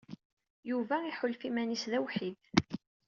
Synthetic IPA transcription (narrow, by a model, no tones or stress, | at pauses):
juvæiħʊlfimænisðæwħið